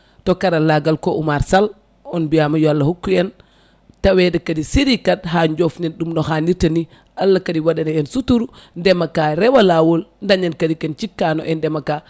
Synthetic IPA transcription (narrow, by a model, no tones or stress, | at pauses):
tɔkaɾalaɡalkoʔumaɾsal | ɔnbiamajɔalːahukːuɛn | tawɛdɛkadisiɾikadɦaɲd͡ʒɔfninɗumnɔxaniɾtani | alːakadiwaɗanaɛnsutuɾundɛmakaɾɛwalawolndaɲankadikɛnt͡ʃikːanɔ̰ʔɛndɛmaka